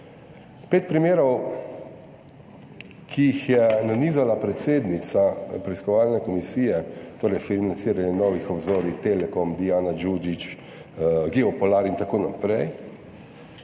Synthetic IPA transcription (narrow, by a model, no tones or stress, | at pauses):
peːt̪̚pɾimeːɾɔw | kʰiixjɛnaniːzalapɾɛt̪seːd̪nit̪sapɾɛiskɔʋaːlnɛkɔmisiːjɛt̪oːɾɛjfinant̪siːɾaɲɛnɔːʋixɔbzoːɾit̪eːlɛkɔmd̪iaːnad͡ʒud͡ʒit͡ʃ | ɡiɔpɔlaːɾint̪akoːnapɾɛj